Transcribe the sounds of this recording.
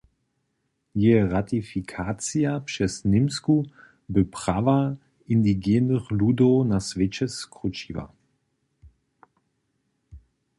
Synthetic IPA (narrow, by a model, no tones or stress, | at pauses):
jeːʁatifikʰaːt͡sijapʃɛsnɪmsku | bəpʁ̥aːva | ʔindiɡɛːnəχluːdonasvet͡ʃɛskʁut͡ʃiːva̰